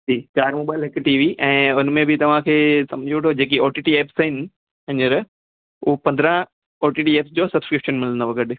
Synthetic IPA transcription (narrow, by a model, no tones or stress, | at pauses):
d͡ʑiːkaːɾmoːɓaːɪlɦɪkʈiːʋiʔɛ̃ːʊnmẽbɪt̪ɐʋ̤ãkʰeːsɐ̰̃md͡ʑʱioʈʰod͡ʑeːk̬ioːʈiːʈieːpsɦɪnɪ̆ | ɐ̃ɲəɾ | ʊɦpɐ̃nd̪ɾə̃ | oːʈiːʈieːpsd͡ʑoːsɐbskɾɪpʃənmɪlə̃nd̪oʋɐɡəɗɪ